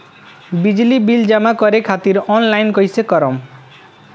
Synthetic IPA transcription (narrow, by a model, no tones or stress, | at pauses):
bid͡ʑilibild͡ʒamakɔɾekʰat̪iɾɔnlajnkojsʰekɔɾɔm